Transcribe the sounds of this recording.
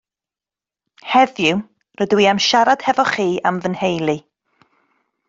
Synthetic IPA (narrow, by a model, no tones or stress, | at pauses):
hɛðju | rədwiːamʃaɾad̥hɛvɔχiːamvənhejlˠi